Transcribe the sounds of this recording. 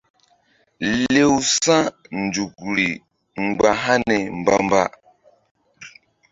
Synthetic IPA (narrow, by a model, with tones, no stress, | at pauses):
le˦wsã˦n̩˨d͡ʒu˨kɾi˨ | ŋ͡m̩˨ɡ͡ba˨ɦa˦nɛ˨m̩˨ba˦m˦ba̰˦